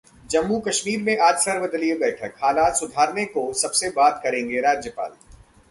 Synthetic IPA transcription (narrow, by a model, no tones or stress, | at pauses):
d͡ʒɐmːukɐʃmiːɾmẽʔaːd͡ʒsəɾʋəd̪əliebɛːʈʰəkhaːlaːt̪sʊd̪ʱaːɾnekosɐbsebaːd̪kɐɾẽːŋɡeɾaːd͡ʒjəpa̰ːl